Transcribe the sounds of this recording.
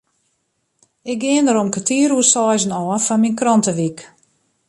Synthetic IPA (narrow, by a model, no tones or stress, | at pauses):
ɪk̚ɡɪəndəɾomkətiəɾusɔːzənɔːfɔnminkrɔntəʋik